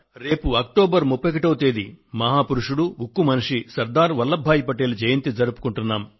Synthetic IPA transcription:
ɾe̞ːpuɐk̚ʈoːbɐɾmupːɐk̬iʈɐwt̪eːd̪imɐɦaːpuɾuʂuɽuukːumɐniʂisɐɾd̪aːɾʋɐlːɐbʱːaːjipɐʈeːlud͡ʒɐjɐnt̪id͡zɐɾupu̥kuɳʈunːaːm

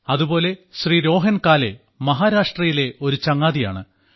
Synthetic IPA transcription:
ɐðubo̞ːle̞ɕriːɾo̞ːɦɐnkaːle̞̰ | mɐɦaːɾaːʂʈrɐjile̞o̞ɾut͡ɕɐŋːaːðija̰ːɳɨ

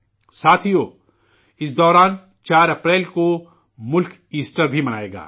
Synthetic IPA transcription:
saːt̪ʰijo | ɪsd̪ɔːɾaːn | t͡ʃaːɾɐpɾɛːlko | mʊlk | iːsʈəɾbʱimɐnaːḛːɡa̰ː

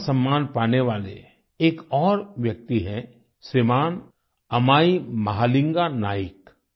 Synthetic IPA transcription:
sɐ̃mːaːnpaːneʋaːlḛ | eːkɔːɾʋjɐk̚t̪iɦɛ̃ | semaːn | ɐmaːimɐɦaːlɪ̃ŋɡanaːɪk

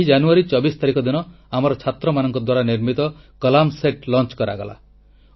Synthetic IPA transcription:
id͡ʒanuaɾit͡ʃɔbist̪aɾikɔd̪inɔ | amɔɾɔt͡ʃʰat̪ɾɔmanɔŋkɔd̪waɾaniɾmit̪ɔkɔlamseʈlɔnt͡ʃkɔɾa̰ɡɔla̰

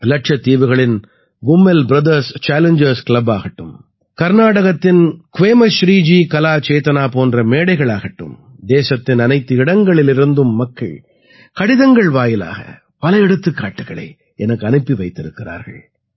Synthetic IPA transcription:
lɐʈ̚ʂɐt̪ːiːʋɯɣɐɭɪn | ɡʊmːɛlbɾɐðɐɾst͡ʃaːlɛɲd͡ʒɐɾskɭɐbaːɣɐʈːɯm | kɐɾnaːɽɐɣɐt̪ːɪnkʊʋeːmɐʃɾiːd͡ʒiːkɐlaːt͡ʃeːt̪ɐnaːpoːndrɐmeːɽɐɪɣɐɭaːɣɐʈːɯ̰m | d̪eːsɐt̪ːɪnɐnɐɪt̪ːɯɪɽɐŋɡɐɭɪlɪɾɯnd̪ɯmːɐkːɐ̰ɭ | kɐɽɪðɐŋɡɐɭʋaːjɪla̰ːɣɐ̰ | pɐlɐɛɽɯt̪ːɯkːaːʈːɯɣɐɭɐ̰ɪ | ɛnɐkːɐnɪpːiʋɐɪt̪ːɪɾɯkːɪra̰ːɾɣɐ̰ɭ

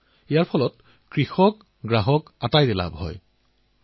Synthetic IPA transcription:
ijaɹpʰɔlɔt̚ | kɹixɔk | ɡɹaɦɔkatajdɛla̰bɦɔ̰j

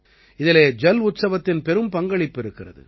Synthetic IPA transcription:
ɪðɪleːd͡ʒɛlʊt̪sɐʋɐt̪ːɪnpɛɾɯmpɐŋɡɐɭɪpːɪɾɯkːɪrɐ̰ðɯ̰

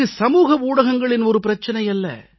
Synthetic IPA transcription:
ɯsɐmuːɣɐuːɽɐɣɐŋɡɐɭɪnɔɾɯpɪɾɐt͡ʃːɐnɐjɐlːɐ̰

